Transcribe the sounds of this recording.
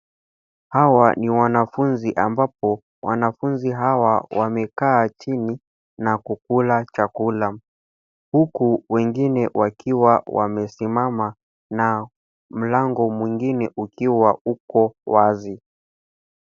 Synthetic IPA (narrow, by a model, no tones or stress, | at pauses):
hawaniwanafunziʔambap̚ɔ | wa̰nafunziɦawawamɛkaːt͡ʃini | nakuk̚ulat͡ʃakula | hukuwɛŋɡinɛwʔakiwawa̰mɛsimama | na | m̩laŋɡɔmwiŋɡinɛʔukiwaukɔwazi